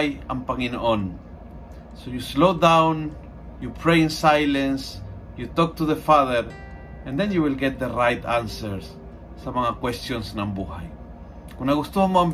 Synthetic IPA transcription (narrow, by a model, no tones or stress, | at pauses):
ja̰mpaŋinon | sojuslowd̪ãwn | jupʰɾejɪnsajlẽns | jut̪ɔk̚t̪uðəfaðəɾ | ãnd̪ẽnjuwilɡɛt̪̚d̪ərajt̪ãnsəɾsː | aβaŋakwest̪jonsnambuhaj | kunaɣust̪omam